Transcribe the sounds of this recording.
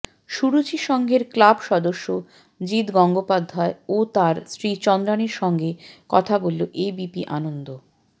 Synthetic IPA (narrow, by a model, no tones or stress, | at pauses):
ʃuɾut͡ɕiʃɔŋɡʱeɾklabʃɔd̪oʃːo | d͡ʑit̪ɡɔŋɡopad̪ʱːaeot̪aɾsɾit͡ɕɔnd̪ɾaniɾʃɔŋɡekɔt̪ʰabolːoʔebipiʔanond̪o